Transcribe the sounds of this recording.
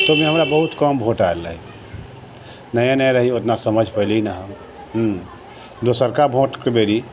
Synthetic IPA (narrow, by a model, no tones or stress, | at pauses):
t̪omẽɦəmɾabəɦut̪kɔːmbʱõːʈalːə̰ɦi | nəjãnə̃ɾəɦiʊt̪nasəməd͡ʒʱpəɦliinaɦəm | ɦ | d̪osəɾkabʱõːʈkebeːɾi